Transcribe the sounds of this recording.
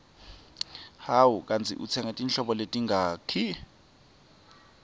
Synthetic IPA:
hawukʼant͡sʰḭʔṵt͡sʰɛŋatʼinɬɔɓɔletʼiŋɡʱaːkʰi

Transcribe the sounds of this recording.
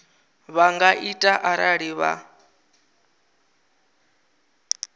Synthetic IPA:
βaŋɡaʔitʼaʔaɾaɺiβa̰

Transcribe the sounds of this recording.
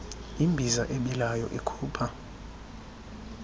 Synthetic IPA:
imbʱizaʔeɓilajɔ̰ʔekʰuːpʰa

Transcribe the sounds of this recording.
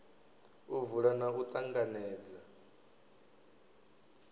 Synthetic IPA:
uvuɺanaɦut̪ʼaŋɡanɛːd͡za

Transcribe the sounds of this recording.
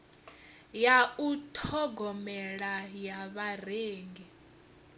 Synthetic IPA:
jautʰɔɡʱɔmɛɺajaβareːŋɡɛ

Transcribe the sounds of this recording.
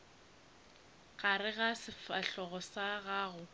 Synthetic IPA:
ɣaɾɪɣasɪfaɬɔɣɔsaɣaːɣʊ

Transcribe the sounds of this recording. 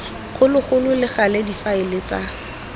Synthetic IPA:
χʊlɪχʊlʊlɪχalɛdifaɪlɪt͡sa

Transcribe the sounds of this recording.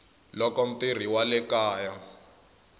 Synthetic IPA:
lɔkɔm̩pir̤iwalɛkaːja

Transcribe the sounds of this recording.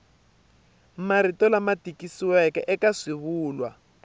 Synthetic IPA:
maɾitɔlamatikisiwɛkɛʔɛkaʂiβuːlwa̰

